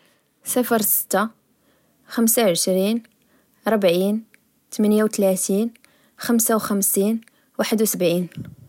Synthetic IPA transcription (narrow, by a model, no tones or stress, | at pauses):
səfəɾˤsə̥t̪ːa | xəmsawʕəʃɾin | ɾˤbʕin | t̪mænjawt̪læt̪in | xəmsawxæmsin | waħəd̪wsəbʕin